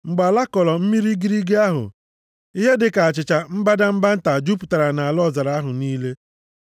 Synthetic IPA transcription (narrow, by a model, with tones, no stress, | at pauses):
ŋ͡m̩˨ɡ͡ba˨la˦kɔ˨lɔ˨m̩˦mi˦ɾi˦ɡi˦ɾi˦ɡe˦a˦ɦʊ̰˨ | i˦ɦe˦dɪ˨ka˨a˨t͡ʃɪ˨t͡ʃa˨m̩˦ba˦da˦m̩˦ba˦n̩˦ta˨d͡ʒu˦pu̥˨ta˨ɾa˨na˨a˨lɔ˦˨za˨ɾa˨a˦ɦʊ˨niː˦le˦